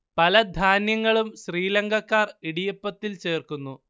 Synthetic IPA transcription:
pɐlɐd̪ʱaːnjɐŋːɐɭumɕriːlɐŋɡʱɐkːaːriɽijɐpːɐt̪ːilt͡ɕe̞ːrkunːu

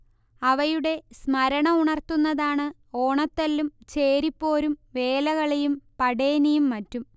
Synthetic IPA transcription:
ɐʋɐjuɽe̞smɐɾɐɳɐuɳɐrt̪unːɐðaːɳɨ | o̞ːɳɐt̪ːɐlːumt͡ɕe̞ːɾipːo̞ːɾumʋe̞ːlɐɣɐɭejumpɐɽeːnɐjumːɐtːum

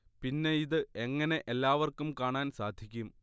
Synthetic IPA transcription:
pinːe̞iðɨeŋːɐne̞ʔelːaːʋɐrkumkaːɳaːnsaːd̪ʱjikʲːum

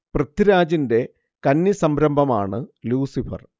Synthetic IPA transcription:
prɐt̪ːiɾaːd͡ʑinde̞ | kɐnːisɐmbɾɐmbʱɐma̰ːɳɨluːsifɐ̰r

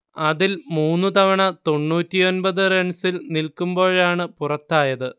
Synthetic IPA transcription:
ɐðilmuːnːut̪ɐʋɐɳɐt̪o̞ɳːuːtːijo̞nbɐðɨreɳsilnilkumbo̞ːɻaːɳɨpurɐt̪ːaːjɐðɨ

